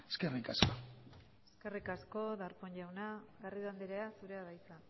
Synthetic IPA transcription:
eskerikasko | eske̞rikasko̞ðaɾpoɲʎawnaɣariðand̪eɾeasuɾe̞aðajt͡sa

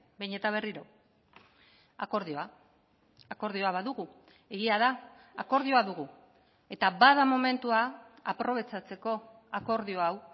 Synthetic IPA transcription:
bejɲe̞t̪aβe̞riɾo̞ | a̰ko̞ɾðioaː | ko̞ɾðio̞aβaðuɣu | e̞ɣiaðaː | ko̞ɾðio̞aðuɣu | e̞t̪abaðamo̞me̞nt̪ua | apɾo̞β̞e̞t͡sat͡se̞ko̞ | ako̞ɾðio̞aw

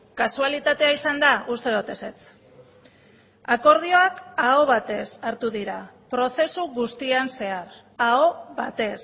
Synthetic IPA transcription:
kasualit̪at̪e̞aisand̪aʔust̪e̞ðot̪e̞se̞t͡s | ako̞ɾð̞io̞akaoβat̪e̞saɾt̪uðiɾa | pɾo̞θe̞suɣust̪ianse̞aɾ | aoβat̪e̞s

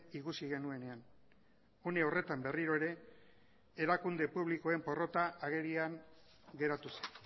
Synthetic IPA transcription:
ikusiɣ̞e̞nue̞ne̞an | une̞ore̞t̪ambe̞riɾo̞e̞ɾe̞ | eɾakund̪e̞puβliko̞e̞mpo̞ro̞t̪aʔːɣ̞e̞ɾiaŋ | ɡe̞ɾat̪use̥n

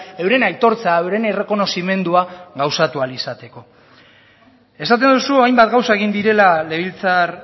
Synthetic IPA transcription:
e̞wɾe̞najt̪o̞ɾt͡sae̞wɾe̞nere̞ko̞no̞sime̞nd̪uaɣawsat̪ualisat̪e̞ko̞ | e̞sat̪̬e̞nd̪usuajmbat̪ɡawsaeɣind̪iɾe̞lale̞βilt͡sar

